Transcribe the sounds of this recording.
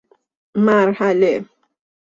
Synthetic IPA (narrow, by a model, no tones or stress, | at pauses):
maɾhalɛ